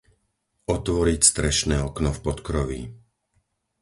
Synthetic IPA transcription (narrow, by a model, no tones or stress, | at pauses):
ɔt̪ʋɔɾicst̪ɾɛʃnɛːɔknɔfpɔt̪kɾɔʋḭː